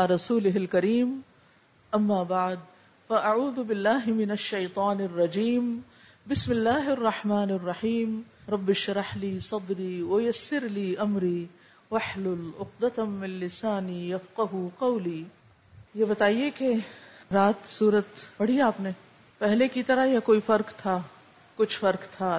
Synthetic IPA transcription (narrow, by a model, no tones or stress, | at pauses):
aːɾˤɐsuːlɪɦɪlkɐɾiːm | ɐmːaːbaʕd̪̚ | fɐʔaʕuːðʊbɪlːaːɦɪmɪnɐʃːɐjt̪ˤɑːnɪrːɐd͡ʒiːm | bɪsmɪlːaːɦɪɐrˤːɑħmaːnɪrˤːɑħiːm | ɾˤɑbːɪʃɾˤɑħliːsˤɑd̪ɾiːwɐjɐsːɪɾliːʔɐmɾiː | wɐħlʊlʊqd̪ɐt̪mɪ̃nlɪsaːniːjɐfqaɦuqɐwliː | jebɐt̪aːiekeɾaːt̪suːɾət̪pɐɽ̤ijaːpnẽ | pɛɦlekit̪ɐɾaɦjakoːifɐɾkt̪ʰaː | kʊt͡ʃʰfɐɾkt̪ʰaː